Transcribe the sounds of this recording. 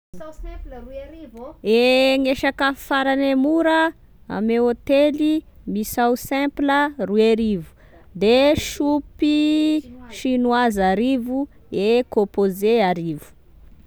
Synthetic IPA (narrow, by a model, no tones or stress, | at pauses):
eŋeʃakəfaɾanemuɾə | a̰meot̪eli | misawsɛ̃mplərueɾivu̥ | d̪eʃupi | ʃinwazaɾivu | ekõpozeaɾivu̥